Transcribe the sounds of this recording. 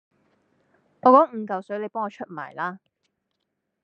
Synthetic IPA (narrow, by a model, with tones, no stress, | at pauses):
ŋɔː˧kɔː˨˥ŋ̩˨˧kɐ˨wsɵ˨˥ɥle˨˧jpɔː˥ŋɔː˧t͡ʃʰɵ˥t̚ma̰ː˨˩jlaː˥